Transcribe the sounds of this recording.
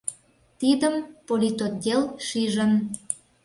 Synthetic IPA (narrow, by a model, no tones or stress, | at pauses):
t̪id̪əmpolʲit̪od̪ʲelʃiʒən